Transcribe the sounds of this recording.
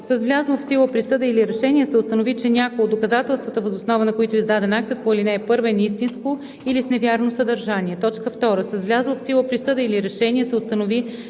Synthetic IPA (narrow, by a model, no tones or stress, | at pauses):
səzvlʲazlˠəfsilˠəpɾisɤd̪əiliɾɛʃɛnʲiɛsɛʊst̪ənovit͡ʃɛnʲakojod̪ːokɐzat̪ɛlˠst̪vət̪əvəzʊsnɔvənɐkoit̪ʊizd̪ad̪ɛnak̚t̪ət̪̚poilinɛːpɤɾvɛnist̪insko | ilisnɛvʲjaɾnosəd̪ɐɾʒanʲiɛt̪ɔt͡ʃkəft̪ɔɾəsəzvlʲazlˠəfsilˠəpɾisɤd̪əiliɾɛʃɛniɛsɛʊst̪ənovi